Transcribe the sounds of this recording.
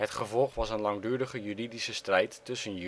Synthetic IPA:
hətχəvɔlˠχʋɑsənlɑŋdyːɹdəχəjyridisəstrɛjtːɵsənj

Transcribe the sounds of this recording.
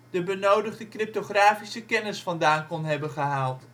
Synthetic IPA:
d̥əbənowdəχdəkrɪp̚toχraːfisəkɛnɪsfɑndaːnkɔnɦɛbənχəɦaːlˠt

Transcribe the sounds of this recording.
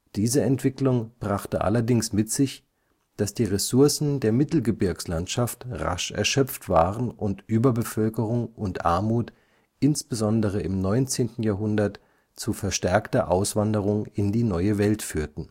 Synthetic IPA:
d̥iːzəɛntv̥ɪklʊŋb̥ʁaχtəʔa̰lɐdɪŋsmɪtz̥ɪç | d̥asd̥iːʁesʊɐsn̩deːɐmɪtl̩ɡəbɪɐkslantʃaftʁa̰ʃɛ̰ɐʃœp͡ftv̥aːʁənʔʊntʔyːbɐbəfœlkəʁ̞ʊŋʊntʔa̰ɐmuːt | ʔɪnsb̥əzɔndəʁ̞əɪmnɔʏnt͡seːntn̩jaːɐɦʊndɐt | t͡sufɛɐʃtɛɐktɐʔaʊsv̥andəʁ̞ʊŋɪndiːnɔʏəvɛltfyːɐtn̩

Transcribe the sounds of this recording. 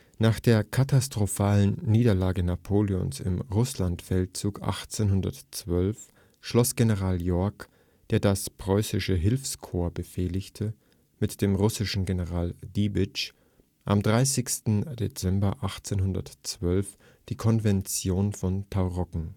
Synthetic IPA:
naːχd̥eːɐkʰatastʁ̥ofaːlənniːdɐlaːɡənapʰoːljɔ̰nsɪ̰mʁʊslantfɛlt̚t͡suːkʔa̰χt͡seːnhʊndɐ̰tt͡sv̥œlf | ʃlɔsɡ̥enəʁaːljɔɐk | d̥eːɐdaspʁ̥ɔʏsɪʃəɦɪlfskʰoːɐbəfeːlɪçtʰə | mɪtd̥eːmʁʊsɪʃn̩ɡenəʁaːldibɪt͡ʃ | ʔa̰mdʁaɪsɪçstn̩d̥ḛt͡sɛmbɐʔaχt͡senɦʊndɐ̰tt͡sv̥œlf | d̥iːkʰɔnvɛnt͡sjoːnfɔntʰaʊʁɔkŋ̩

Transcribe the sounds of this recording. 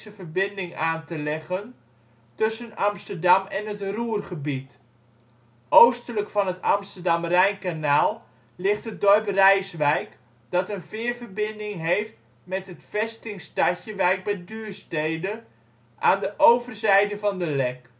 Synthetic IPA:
səvəɹbɪndɪŋaːntəlɛχən | tɵsənɑmstəɹdɑmɛnɦətruːrχəbit | ʔowstələkfɑnɦətɑmstəɹdɑmrɛjnkanaːlˠ | lɪχtədɔɹprɛjsʋɛjk | d̥ɑtənvɪːɹvərbɪndɪŋɦejft̚ | mɛtɦətfɛstɪŋstɑcəʋɛjk̚bɛjdyːɹstejdə | ʔaːndəʔowvərzɛjdəvɑndəlɛk

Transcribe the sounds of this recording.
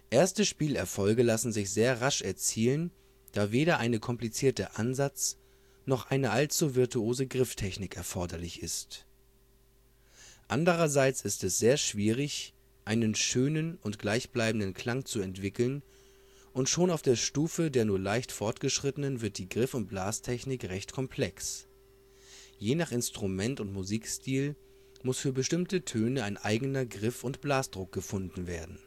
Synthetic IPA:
ʔeːɐstəʃpiːlɛɐfɔlɡəlasn̩zɪçz̥eːɐʁaʃɛɐt͡siːlən | d̥aːveːɾɐʔaɪnəkʰɔmplit͡siːɐtəʔanzat͡s | nɔχʔaɪnəʔalt͡suvɪɐtʰuoːzəɡʁɪftʰɛçnɪkɛɐfɔɐdɐlɪçɪst | ʔandəʁ̞ɐzaɪt͡sɪstɛsz̥eːɐʃv̥iːʁɪç | ʔaɪnənʃøːnənʊntɡ̥laɪçb̥laɪbm̩dənkʰl̥aŋt͡suɛntv̥ɪkl̩n | ʔʊntʃoːnaʊfd̥eːɐʃtuːfədeːɐnuːɐlaɪçtfɔɐtɡ̥əʃʁ̥ɪtənənvɪɐt̚d̥iːɡʁɪfʊnt̚b̥laːstʰɛçnɪkʁɛçtkʰɔmpʰl̥ɛks | jeːnaχɪnstʁ̥umɛntʊntmuziːkstiːl | mʊsfyːɐbəʃtɪmtətʰøːnəaɪnʔaɪɡənɐɡʁɪfʊntb̥laːsd̥ʁʊk̚ɡ̥əfʊndn̩veːɐdn̩

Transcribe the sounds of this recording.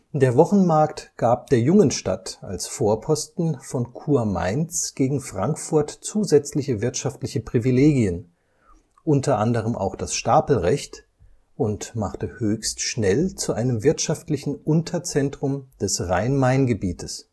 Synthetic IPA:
d̥eːɐvɔχn̩maɐktɡ̥aːp̚d̥eːɐjʊŋənʃta̰ta̰lsfoːɐpʰɔstn̩fɔnkʰuːɐma̰ɪnt͡sɡ̥eːɡŋ̩fʁ̥aŋkfʊɐtt͡suːzɛt͡slɪçəvɪɐtʃaftlɪçəpʁ̥ivileːɡiən | ʔʊntʰɐʔandəʁ̞əmʔa̰ʊxd̥asʃtaːpl̩ʁɛçt | ʔʊntmaχtəhøːçstʃnɛlt͡suʔaɪnəmvɪɐtʃaftlɪçn̩ʔʊntʰɐt͡sɛntʁ̥ʊmd̥ɛsʁa̰ɪnmaɪnɡəbiːtʰəs

